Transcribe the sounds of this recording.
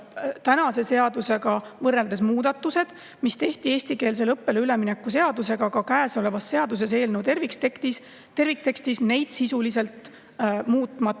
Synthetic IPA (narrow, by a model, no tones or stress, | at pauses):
t̪ænɑse̞se̞ɑd̪use̞ɡɑvɤrːe̞ld̪e̞smuːd̪ɑt̪ːˑuse̞d̪̥ | mist̪e̞ht̪ie̞ːsʲt̪ike̞ːls̬e̞lɤpːe̞leyle̞mine̞kːˑuse̞ɑd̪̥use̞ɡ̥ɑkɑkæːso̞le̞vɑsːe̞ɑd̪us̬e̞s̬e̞ːlnewt̪e̞rvikst̪ekt̪is | t̪e̞rvik̚t̪e̞kst̪isne̞jd̪̥sisulise̞lt̪ | muːt̪ːˑmɑˑ